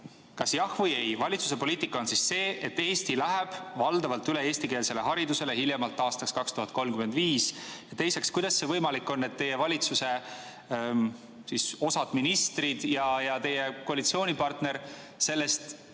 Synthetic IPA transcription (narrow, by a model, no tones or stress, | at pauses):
kɑsjɑhvɤje̞jvɑlʲit̪su̥se̞po̞liːt̪ːˑikːˑɑo̞nsisse̞ːʔe̞t̪ːe̞ːst̪ilæɦeb̥vɑld̪̥ɑvɑlt̪ːyle̞e̞ːst̪ikeːlse̞le̞ɦɑɾid̪use̞lehiljemɑlt̪ːˑɑːst̪ɑkskɑkst̪uɦɑt̪̚ko̞lmkymend̪viːsjɑt̪e̞jse̞kskujd̪̥ɑsːe̞vɤjmɑlikːˑo̞nːe̞t̪ːe̞je̞vɑlʲit̪suse̞ | siso̞sɑd̪̥minist̪rid̪̥jɑjɑt̪e̞jekoɑlit̪sio̞ːnipɑrt̪ne̞ɾ | se̞lːe̞st̪